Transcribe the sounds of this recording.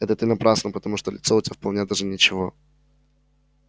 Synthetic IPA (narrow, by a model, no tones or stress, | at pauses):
ɛt̪ət̪ɨnɐpɾasnəpət̪ɐmuʂt̪olʲɪt̪soʊtʲafpɐlˠnʲed̪aʐɨnʲɪt͡ɕɪvo̞